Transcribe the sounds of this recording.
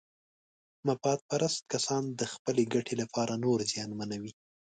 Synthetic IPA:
mapɑt̪̚paɾast̪̚kasɑnd̪əxpəleɡaʈʰelapʰɑɾʔanoɾzjɑnmanawi

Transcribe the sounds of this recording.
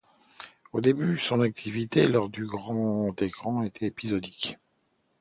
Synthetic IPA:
od̪ebysɔ̃nak̚t̪ʰivit̪elɔʁd̪yɡʁɑ̃t̪ekχɑ̃et̪ʰɛepizɔd̪ik

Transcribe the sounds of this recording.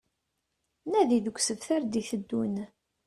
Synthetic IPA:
næðiðəɡʷsəvθaɾd̪içθəd̪ːun

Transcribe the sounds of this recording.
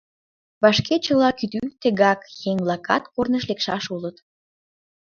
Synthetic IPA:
βɑʃket͡ɕəlɑkyt̪yt̪əɣɑkjeŋβlɑkɑt̪kornəʃlekʃɑʃulət̪

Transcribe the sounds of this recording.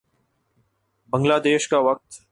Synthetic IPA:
bə̃ŋɡlaːd̪eːʃkaʋɐk̚t̪

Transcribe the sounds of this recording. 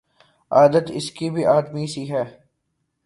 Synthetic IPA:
aːd̪ət̪ɪ̰skibʱiʔaːd̪misiɦɛː

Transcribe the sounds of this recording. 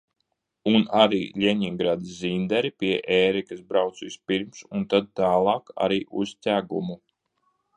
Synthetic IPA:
unaɾḭːlʲeɲiŋɡɾaːd̪iszind̪ɛɾipiɛʔɛːɾikasbɾawt̪sisʲpiɾmsunt̪ad̪̚t̪aːlˠɑːka̰ɾiːʔustʲæːɡumu

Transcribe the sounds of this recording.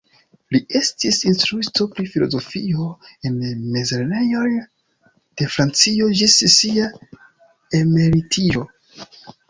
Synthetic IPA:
lie̞stisinstɾuito̞pɾifilo̰zo̞fioe̞nmezelnejo̞n | d̥e̞fɾant͡sio̞d͡ʒissia | eme̞ɾitio̞

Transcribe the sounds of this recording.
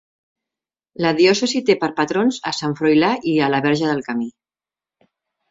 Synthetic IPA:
ləðiɔsəzit̪epəɾpət̪ɾonzəsaɱfɾojlaʔiələβɛɾʒəðəlˠkəmi

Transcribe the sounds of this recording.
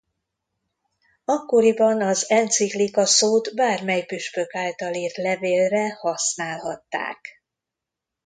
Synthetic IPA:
ɒkːo̞ɾibɒnɒzɛnt̪siklikɒsoːt̪baːrmɛjpyʃpøkaːlt̪ɒliːrt̪lɛveːlrɛhɒsnaːlɦɒt̪ːa̰ːk

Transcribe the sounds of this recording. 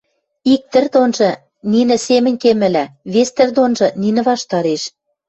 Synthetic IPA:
ik̚t̪ɘ̆rd̪onʒɤ̆ | ninɘ̆semɘ̆nʲkemɘ̆læβest̪ɘ̆rd̪onʒɤ̆ninɘ̆βɑʃt̪ɑɾeʃ

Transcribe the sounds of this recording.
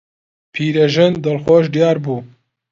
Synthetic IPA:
pʰiːɾɛʒɪnd̪ɐlxoːʃd̪ijɑːɾbuː

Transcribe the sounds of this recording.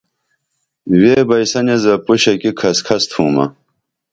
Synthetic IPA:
weːbɐjsɐnezɐpuɕɐkikʰɐskʰɐst̪ʰuːmɐ̰

